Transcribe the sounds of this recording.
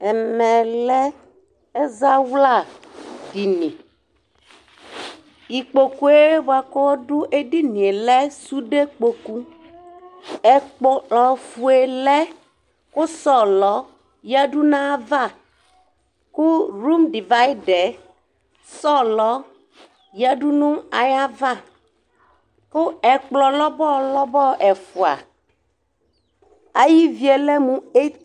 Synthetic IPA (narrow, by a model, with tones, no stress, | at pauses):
ɛ˨mɛ˨lɛ˦ | ɛ˦za˦wla˦˨d̥i˨nĩ˨ | i˨k͡po˨ku˦e˦wa˨ko˦wɔ˦ɖu˦ʔe˦di˦nĩ˨e˨lɛ˦su˦ɖe˦k͡po˨ku˦ | ɛ˦k͡po˦ɔ˨fu˨˦e˨lɛ˦ | kʊ˦sɔ˦˨lɔ˦ | ja˦ɖu˦nã˦va˦˨ | ku˦ɾu˦mɖi˨va˦ji˦ɖɛ˨ | sɔ˦lɔ˦ | ja˦ɖu˦nũ˦a˨ja˦va˦˨ | ko˦ɛ˨k͡plɔ˨lɔ˦bɔ˦˨lɔ˦bɔ˦ʔɛ˨fu˨a̰˨ | a˨ji˦vi˨ɛ˨lɛ˦mũ˨e˦